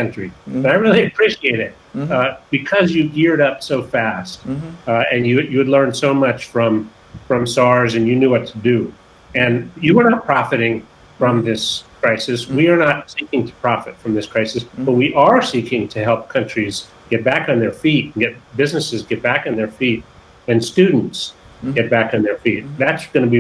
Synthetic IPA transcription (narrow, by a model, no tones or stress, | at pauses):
kʰʌ̃nt͡ʃɹ̥ib̥ʌɾaɪɹɪlˠiɨpʰɹ̥iʃieɪɾɪt̚b̥ɨkʰʌzjɨɡɪɹɾʌpsoʊfæst̚ɨ̃njɨjɨwɨdˡlɜ̃˞nsoʊmʌt͡ʃfɹʌ̃m | fɹʌ̃msɑɹzɨ̃njɨnjʉwʌtʰɨdɨ | ɨ̃njɨwə˞nət̚pʰɹ̥ɑfɨɾɪ̃ŋ | fɹʌ̃mðɪskʰɹ̥aɪsɨswiə˞nətsikɪ̃ŋtʰə̥pʰɹ̥ɑfɨ̰tfɹʌ̃mðɪskʰɹ̥aɪsɨsb̥ʌt̚wiʔə˞sikʰɪ̃ŋtʰɨɦɛlˠp̚kʰʌ̃nt͡ʃɹ̥iz | ɡ̥ɛt̚b̥ækn̩ðə˞fitn̩ɡɛt̚b̥ɪznɨsɨzɡɛt̚b̥ækn̩ðə˞fit̚ | wɨ̃nstʉdⁿn̩tsɡ̥ɛt̚b̥ækn̩ðə˞fit̪̚ðætsɡ̥ʌnɨbi